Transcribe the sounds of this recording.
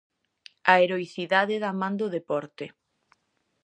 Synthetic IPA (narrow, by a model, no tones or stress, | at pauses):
aeɾoiθiðaðɪðamãnd̪ʊðepɔɾt̪ɪ